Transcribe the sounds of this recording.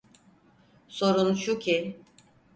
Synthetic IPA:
so̞ɾunʃucʰi

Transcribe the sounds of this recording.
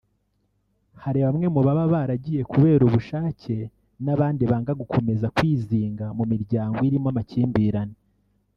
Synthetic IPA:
haɾiβamŋe̞muβaβaβaɾaɟije̞kuβe̞ːɾuβuʃaːce̞ | naβaːndiβaːŋɡaɡukʰo̞me̞zakwiːziːŋɡamumiɾɟaːŋɡoiɾimamaciːmbiːɾane

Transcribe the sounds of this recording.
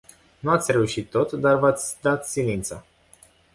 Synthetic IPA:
nuat̪sʲre̞uʃit̪ːo̞t̪d̪arvat̪sʲd̪at̪silint̪sa

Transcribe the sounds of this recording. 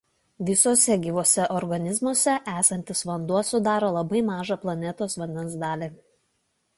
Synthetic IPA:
ʋʲɪsoːsʲɛɡʲiːʋoːsʲɛʔɔɾɡɐnʲɪzmuɔsʲɛʔæːsɐnʲt̪ʲɪsʋɐnd̪uɔsʊd̪ɑːɾoːlˠɐbɐɪmɑːʒɑplˠɐnʲɛt̪oːsʋɐnʲd̪ʲɛnsd̪ɑːlʲiː

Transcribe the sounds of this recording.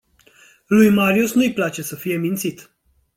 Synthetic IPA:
lujmaɾiusnujplat͡ʃe̞səfije̞mint̪sit̪

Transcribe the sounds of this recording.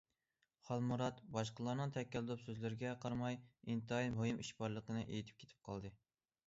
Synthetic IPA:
χɑlˠmuɾɑt̪bɑʃqəlˠɑɾnɨŋt̪ʰɛkʲɛllupsøzlɪɾɪɡʲɛqʰɑɾmɑjint̪ɨɑiɦojimʔiʃbɑɾlˠəqənɨʔḛjt̪ʰɪp̚kʲʰe̥t̪ʰɪ̥p̚qʰɑlˠd̪ɨ

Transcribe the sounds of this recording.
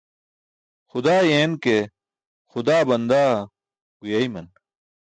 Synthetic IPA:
xʊd̪aːjeːnke | xʊd̪aːbɐnd̪aː | ɡujɐːimɐn

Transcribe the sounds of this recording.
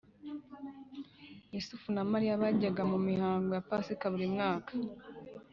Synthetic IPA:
jusufunamaɾijaβaɟaɡamumihaːŋɡojapasikaβuɾimŋaːkḁ

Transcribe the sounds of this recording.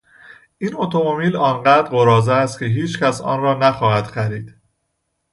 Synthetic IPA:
ʔino̞t̪ʰo̞momiːlɒːnɢæːd̪ɾɢo̞ɾɒːzæːst̪̚cʰe̞ɦiːt͡ʃcʰæsɒ̰ːnrɒːnæxɒːhæd̪̥xæɾiːd̪̥

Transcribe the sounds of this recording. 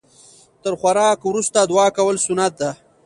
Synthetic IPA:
t̪əɾxwaɾɑːkwɾust̪ad̪wɑːkawəlsʊnat̪̚d̪a

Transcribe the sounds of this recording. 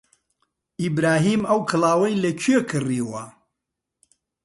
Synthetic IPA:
ʔibɾaːɦiːmɐwkʰɨlˠaːwɐjlɐt͡ʃʰekʰɨriːwɐ

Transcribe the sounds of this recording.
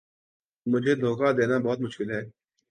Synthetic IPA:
mʊd͡ʒʱed̪ʱoːkad̪eːnabɔːʊt̪mʊʃkɪlɦɛː

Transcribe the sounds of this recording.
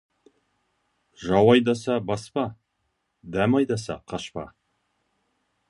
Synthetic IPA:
ʒɑwɑjd̪ɑsɑbɑspɑ | d̪æmɑjd̪ɑsɑ̰qʰɑʃpɑ̰

